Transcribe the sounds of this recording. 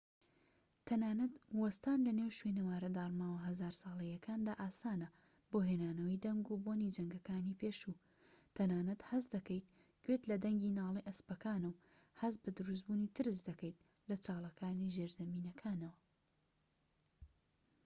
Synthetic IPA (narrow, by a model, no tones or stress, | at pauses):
t̪ʰɐnaːnɐt̪wɐst̪aːnlɐneːwʃwenɐwaːɾɐd̪aːɾmaːwɐɦɐzaːɾsɑːlˠɐjɐkʰaːnd̪aːʔaːsaːnɐ | boːɦeːnaːnɐwɐjd̪ɐŋɡuboːnid͡ʒɐŋɡɐkaːniːpʰeːʃu | t̪ʰɐnaːnɐt̪hɐzd̪ɐkɐjt̪̚ | kwet̪lɐd̪ɐŋɡinaːlˠeʔɐspɐkaːnɨw | hɐzbɨd̪ɨɾus̬buːnit̪ʰɨɾɨsd̪ɐkɐjt̪̚ | lɐt͡ʃaːlˠɐkʰaːniʒeɾzɐmiːnɐkʰaːnɐwɐ